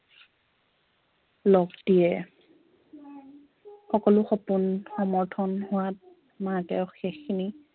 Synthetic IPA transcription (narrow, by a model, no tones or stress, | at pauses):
lɔɡdijɛ | xɔkɔlʊxɔpʊnxɔmɔɹtʰɔnhʊwat̚ | matɛxɛxːini